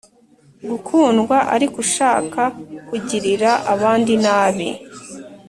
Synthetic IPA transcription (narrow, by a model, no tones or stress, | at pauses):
ɡukʰuːnɡwaʔaɾikuʃaːkakuɟiɾiɾaʔaβaːndinaːβḭ